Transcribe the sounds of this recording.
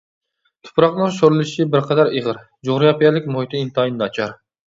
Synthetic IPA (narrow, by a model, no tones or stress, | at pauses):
t̪ʰʊ̥pɾɑqnɨŋʃoɾɨlˠɪʃibɪɾqʰɑd̪ɑɾeʁɨɾ | d͡ʒoʁɾjɑpjɛlɪkʲmojt̪ʰɛint̪ʰɑinːɑt͡ʃʰɑɾ